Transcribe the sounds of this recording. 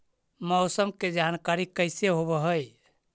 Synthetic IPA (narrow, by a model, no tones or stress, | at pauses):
məwsəmked͡ʒankaɾikəɪseɦoβəɦəj